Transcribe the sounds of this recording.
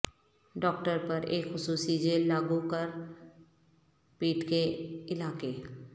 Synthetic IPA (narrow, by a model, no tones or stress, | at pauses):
ɖɔːk̚ʈəɾpəɾḛːkxʊsuːsid͡ʒeːlːaːɡukəɾ | piːʈkeɪlaːke